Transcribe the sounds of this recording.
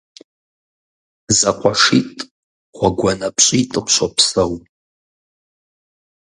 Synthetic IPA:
zaqʷʰaʂitʼ | χʷaɡʷanapʰɕʼitʼɨmʃʷapʰsɐw

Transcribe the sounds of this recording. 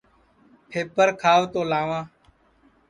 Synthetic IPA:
pʰeːpəɾkʰaːʋt̪oːlãːʋãː

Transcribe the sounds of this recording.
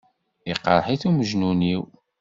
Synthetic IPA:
iqə̰ɾˤħiθuməʒnuniw

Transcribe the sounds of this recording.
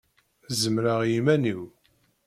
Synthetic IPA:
zəmɾaʁjimæniw

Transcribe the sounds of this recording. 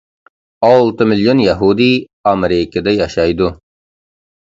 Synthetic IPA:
ɑlˠt̪əmɪljonjaɦud̪i | ɑmeɾɪkəd̪ajɑʃɑjd̪ʊ

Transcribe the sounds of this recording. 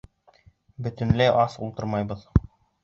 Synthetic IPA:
bɵ̆t̪ɵ̆nlɘʔɑsṵlˠt̪ɤɾmɑjbɤð

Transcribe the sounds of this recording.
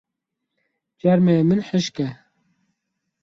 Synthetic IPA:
d͡ʒɛɾmemɨnħəʃkɛ

